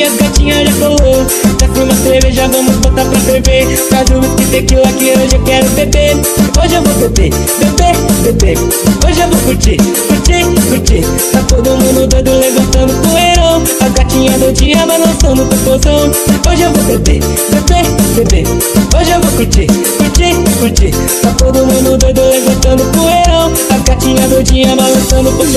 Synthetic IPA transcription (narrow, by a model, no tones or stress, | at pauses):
ɐzɡat͡ʃĩɲɐdɐkolo | sakĩmɐkeɾeʒavɐ̃mʊzbot̪apɾɐsɾeveɾ | pɾazũmɐskizẽakilʊakieoʒewkɛɾʊbebe | oʒɪewvobebe | bebebebe | oʒɪewvokuɾt͡ʃi | kuɾt͡ʃikuɾt͡ʃi | pɾat̪od̪ʊʊmũd̪ʊd̪od̪ʊlevɐ̃nt̪ɐ̃d̪ʊkũeɾɐ̃ | aɡat͡ʃĩɲɐd̪ʊd͡ʒĩɐbalɐ̃sɐ̃nd̪ʊpũpozɐ̃w̃ | oʒɪewvobebḛ | bebebebe | oʒɪewvokuɾt͡ʃi | kuɾt͡ʃikuɾt͡ʃi | pɾat̪od̪ʊmũd̪ʊd̪od̪olevɐ̃nt̪ɐ̃d̪ʊkũeɾɐ̃w̃ | aɡat͡ʃĩɲɐd̪ʊd͡ʒĩɲɐbalɐ̃sɐ̃d̪ʊpʊz